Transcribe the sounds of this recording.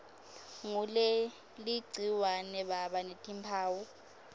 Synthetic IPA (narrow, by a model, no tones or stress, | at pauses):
ŋulɛ | liɡ͡ǀʱiwanɛɓaɓanetʰʼimpʰaːwu